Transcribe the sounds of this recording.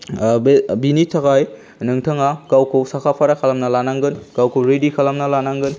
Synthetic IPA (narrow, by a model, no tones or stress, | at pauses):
binitʰaɡaj | nɯŋtʰəŋakawkʰɯwsakʰapʰaɾakʰalamnalanaŋɡɯnkawkʰɯwɾedikʰalamnalanaŋɡɯn